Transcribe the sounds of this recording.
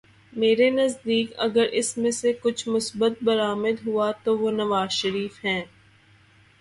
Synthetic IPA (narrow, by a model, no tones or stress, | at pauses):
meːɾenɐzd̪iːkɐ̰ɡəɾʔɪsmẽsekʊt͡ʃʰmʊsbət̪̚bɐɾaːmɪd̪ɦʊat̪oʋoːnɐʋaːzʃəɾiːfɦɛ̃ː